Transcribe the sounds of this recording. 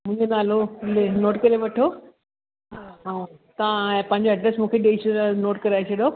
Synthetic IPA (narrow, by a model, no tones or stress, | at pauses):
mʊ̃ɦɪ̃ɲd͡ʑonaːlolenoːʈkɐɾeʋɐʈʰo | ɦaːɦãːt̪ɐʋãpɐ̃ɦɪ̃ɲd͡ʑoɛɖɾesmũːkʰeɗeːʃəɾnoːʈkɐɾaːet͡ɕʰɐɗo